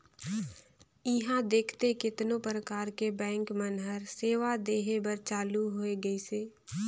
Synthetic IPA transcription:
ɪɦãd̪eːkʰt̪ekɪt̪nõpɾəkaːɾkebɛ̃ːŋkmənɦəɾseːʋad̪eːɦebəɾt͡ʃaːluɦoeɡəiseː

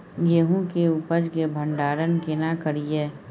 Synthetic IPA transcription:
jeɦũkeupəd͡ʒkebʱə̃ɳɖaːɾənkɪnakəɾieː

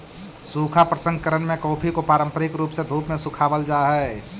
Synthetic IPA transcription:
suːkʰapɾəsə̃ŋɡ̚kəɾənmẽkoːpʰikopaːɾə̃mpəɾɪkɾuːpsed̪ʱuːpmẽsukʰaːʋəld͡ʒaːɦɛ

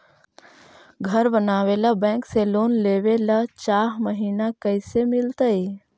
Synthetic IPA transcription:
ɡʱəɾbənaːʋelabɛ̃ːŋkseloːnleːʋelat͡ʃaːɦməɦiːnakəɪsemɪlt̪əe

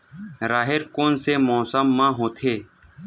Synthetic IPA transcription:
ɾaːɦɪɾkoːnseːmɔːsəmːãːɦõːt̪ʰeː

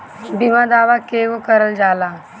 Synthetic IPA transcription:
bimãd̪aːʋakeʋokəɾəld͡ʒala

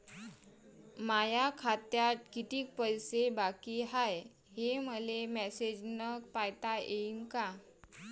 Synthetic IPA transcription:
majakʰat̪jat̪̚kit̪iːk̚pəjsebakiɦaj | heməlemɛsed͡ʑnək̚pajt̪ajeinka

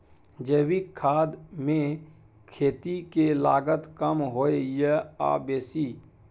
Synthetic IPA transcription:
d͡ʒəːwikʰːaːd̪mẽ | kʰeːt̪ikelaːɡət̪kəmɦoːejəa̰ːbeːsiː

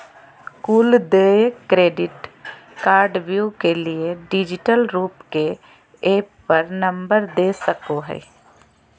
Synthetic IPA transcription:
kuːld̪eːekkːɾeːɖɪʈkaːɾɖʋjuːkelieɖɪd͡ʒɪʈəlɾuːpke | eːppəɾnɐ̃mbəɾd̪eːsəkoɦɛ̰ː

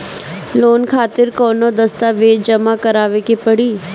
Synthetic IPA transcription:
loːnkʰaːt̪ɪɾkɔːnod̪ɐst̪aʋeːd͡ʒɐmakɐɾaːʋekepɐɽiː

